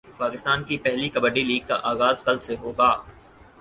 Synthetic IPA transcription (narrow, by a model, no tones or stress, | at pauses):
paːkɪst̪aːnkipɛɦlikɐbəɖiliːɡ̚ka̰ʔaːɣaːzkɐlseɦoːɡaː